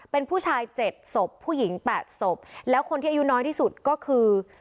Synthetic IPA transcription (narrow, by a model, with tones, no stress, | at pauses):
pe˧npʰuː˥˩t͡ɕʰaː˧jt͡ɕe˨˩t̪̚so˨˩pʰːuː˥˩ji˩˦ŋpɛː˨˩t̪̚so˨˩p̚lɛː˦˥wkʰo˧nt̪ʰi˥˩ʔa˧ju˦˥nɔː˦˥jt̪ʰiː˥˩su˨˩t̪̚kɔː˥˩kʰɯː˧